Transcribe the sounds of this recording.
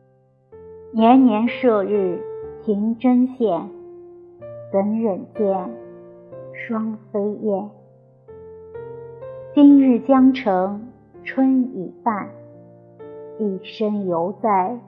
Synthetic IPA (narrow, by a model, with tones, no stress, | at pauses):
njɛ˧˥nnjɛ˧˥nʂɤ˥˧ɻɻ̩˥˩t̪ʰi˧˥ŋʈ͡ʂə˥nɕjɛ˨˩n | t̪ə˧˥nɻə˨˩nt̪jɛ˥˩n | ʂwɑ˥ŋfe˥ɪjɛ˥˩n | t͡ɕi˥nɻɻ̩˥˩t͡ɕjɑ˥ŋʈ͡ʂʰɤ˧˥ŋ | ʈ͡ʂʰwə˥ni˨˩pa˥˩n | i˥˩ʂə˥ŋjo˧˥ʊt͡sa˥˩ɪ